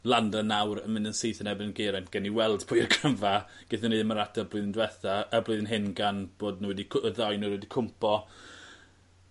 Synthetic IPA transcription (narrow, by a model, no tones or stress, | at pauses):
lˠandənawɾə̰mɪnənsɨːθənɛbɪnənɡeɾɛnɡ̥ɛniwɛlˠd̥pʰʊɨrkʰəmvaɡ̥ɪθəniːəmaɾadəblˠɨðndwɛθaəblɨðnɦɪnɡanb̥oːdnuwɛdikʰəðajnuwɛdikʰʊmpʰɔ